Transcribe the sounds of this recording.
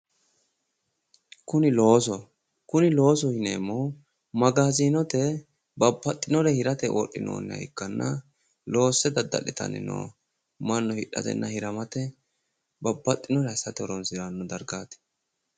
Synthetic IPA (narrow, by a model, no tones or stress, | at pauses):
kʊnɪlo̞ːs̬ɔ | kʊnɪlo̞ːs̬ɔhɪneːmːɔ | mɐɡaːziːnɔt̪ɛ | bɐbːɐt̪ʼːɪnɔɾɛhɪɾɐt̪ɛʔo̰ʔːɪ̰no̰ːnːɛɐ̰ɪkːɐnːɐ | lo̞ːsːɛd̪ɐd̪ːɐ̰lɪt̪ɐ̰nɪ̰no̰ː | mɐnːɔhɪᶑːɐ̰t̪ɛ̰nːɐhɪɾɐmɐt̪ɛ | bɐbːɐt̪ʼːɪnɔɾɛɐsɐt̪ɛɔɾɔnsɪɾanːɔd̪ɐɾɡaːt̪ɛ̥